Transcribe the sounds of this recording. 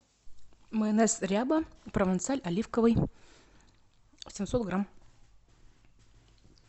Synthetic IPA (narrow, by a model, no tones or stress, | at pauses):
məɛnɛsɾʲabəpɾəvʲɐnt̪sɨalʲɐlʲifkəvɨj | sʲɪmsot̪ɡram